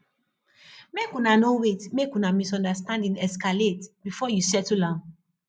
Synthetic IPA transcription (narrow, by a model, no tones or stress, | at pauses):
mekũnanowetmekũnamisɔ̃ndastãndĩnɛskaletbifɔjusɛtulã